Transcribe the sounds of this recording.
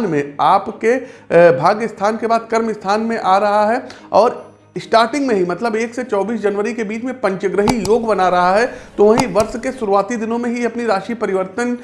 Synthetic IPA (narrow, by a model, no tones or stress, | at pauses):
nmẽaːpkebʱaːɡjəst̪ʰaːnkebaːd̪kɐɾmɪst̪ʰaːnmẽʔaːɾɐɦaɦɛ | ɔːɾ | ɪsʈaːɾʈɪ̃ŋɡmẽɦimɐt̪ləbeːkset͡ʃɔːbiːs̬d͡ʒɐnʋəɾikebiːt͡ʃmẽpɐ̃ɲt͡ʃəɡɾəɦijoːɡbɐnaɾɐɦaɦɛt̪oʋaɦĩʋɐɾʃkesʊɾuaːt̪id̪ɪnõmẽɦiɐpniɾaːʃipɐɾɪʋəɾt̪ən